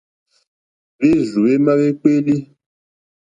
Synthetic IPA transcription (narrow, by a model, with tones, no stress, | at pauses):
βe˦zu˨e˦ma˦βe˦k͡pe˦li˦